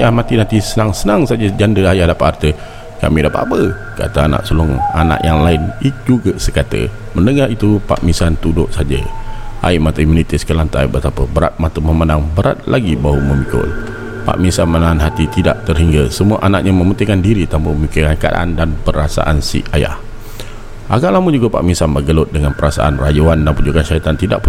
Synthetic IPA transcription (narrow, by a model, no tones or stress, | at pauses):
ajahmat̪inat̪isənaŋsənaŋsad͡ʒəd͡ʒandəajahdapaʔhart̪ə | ka̰midapaʔapə | ka̰t̪əana̰ʔsolɔŋana̰ʔjaŋlaɪnid͡ʒuɡəsəkat̪ə̰ | məndəŋaɾit̪upa̰ʔmisant̪udʊʔsad͡ʒə̰ʔa̰imat̪əimunit̪iskəlant̪a̰jbət̪apəbəɾa̰t̪̚mat̪əməmandaŋbəɾa̰t̪̚laɡibawəməmikʊ̰l | pa̰ʔmisanmənaanɦat̪it̪idaʔt̪ərɦiŋɡəsəmuaʔanaʔ̚ɲəməmənt̪ikandiɾit̪ampəəmikɪkanka̰da̰ʔandanpəɾasa̰ʔansḭaja̰h | ʔaɡaʔlamud͡ʒuɡapa̰ʔmisanbəɡəlʊt̪̚dəŋanpəɾasa̰ʔanrajuandanpud͡ʒukanʃait̪ant̪ida̰ʔpu